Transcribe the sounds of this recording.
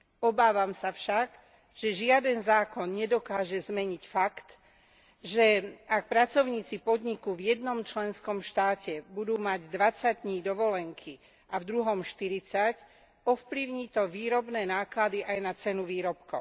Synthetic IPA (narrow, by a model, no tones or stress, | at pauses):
ɔbaːʋamsafʃaɡ | ʒ̥ɛʒɪad̪ɛnzaːkɔnɲɛd̪ɔkaːʒɛzmɛɲicfakt̪ | ʒɛak̚pɾat͡sɔʊɲiːt͡sipɔd̪ɲikuvjɛd̪nɔmt͡ʃlɛnskɔmʃt̪aːcɛbud̪uːmaɟd̪ʋat͡saɟ̚d̪ɲiːd̪ɔʋɔlɛŋkʰi | avd̪ɾuɦɔmʃt̪iɾit͡sac | ɔfpliʊɲiːt̪ɔʋiːɾɔbnɛːnaːklad̪iʔajnat͡sɛnuʋiːɾɔpkɔʊ